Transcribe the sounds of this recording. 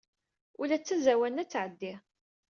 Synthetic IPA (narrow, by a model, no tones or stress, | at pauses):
ʊlæt͡sːæzæwænæt͡sːʕəd̪ːɪ